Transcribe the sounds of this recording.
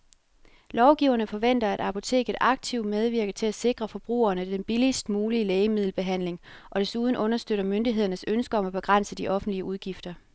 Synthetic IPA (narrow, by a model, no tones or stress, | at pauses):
lɒʊɡ̥iʊ̰ɐnəfɒ̽ʋen̰d̥ɐæd̥ɑ̈pʰo̝t͡sʰe̝̰ːɡ̥ð̩ˠʔɑ̈ɡ̥̚t͡sʰiʊ̰d̥með̞ˠʋiɐɡ̥ð̩ˠt͡sʰe̝læse̝ɡ̥ʁɐfɒ̽b̥ʁṵːɐnəd̥enb̥ilisd̥muːliəleːɪəmið̞ˠl̩b̥e̝ɦæn̰le̝ŋʔɒ̽d̥e̝suð̞ˠn̩ʔɔ̽nɐsd̥øɾ̥ɐmønd̥iɦe̝ð̞̰ˠɐnəsønsɡ̥ɐɒ̽mæb̥e̝ɡ̥ʁɑn̰səd̥iʔɒ̽fn̩d̥liəʔuð̞ˠɡ̥ifd̥ɐ